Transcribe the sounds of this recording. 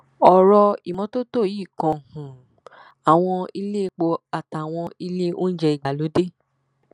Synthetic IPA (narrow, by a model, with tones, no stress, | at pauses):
ɔ˨ɾɔ˧i˨mɔ̃˧to˦to˦˨jiː˦˨kɔ̃˧hũ˨ | a˨w̃ɔ̃˧i˧le˦˧k͡po˧a˨ta˨w̃ɔ̃˧i˧le˦o̰˦n̩˦d͡ʒɛ˧i˨ɡa˨lo˨˦de˦